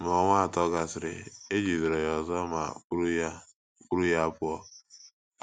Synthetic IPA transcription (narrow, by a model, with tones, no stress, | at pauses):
m˨ɔ˨˦ŋʷa˦a˨tɔ˦ɡa˨sɪ˨ɾɪ̰˨e˦d͡ʒi˨zi˨ɾe˨jɔ˨zɔ˦ma̰˨˦ɾa˦˨ | ku˦ɾu˦ja˦pʊ˦ɔ˦